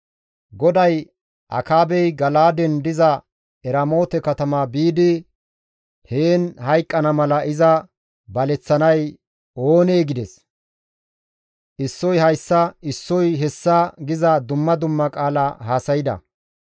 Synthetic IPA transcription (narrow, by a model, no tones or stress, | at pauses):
ɡɔd̪ɐj | ʔɐ̰kaːbɛjɡɐlaːd̪ɛnd̪ɪzɐ | ɛɾɐmo̞ːt̪ɛkɐt̪ɐmaːbiːd̪ɪ | heːnhɐjkʼːɐnɐmɐlɐɪzɐ | bɐlɛt͡sːɐnɐj | o̞ːne̞ːɡɪd̪ɛs | ʔɪsːɔjhɐjsːɐɪsːɔjɦɛsːɐɡɪzɐd̪ʊmːɐd̪ʊmːɐkʼaːlahaːsɐjɪd̪ɐ̰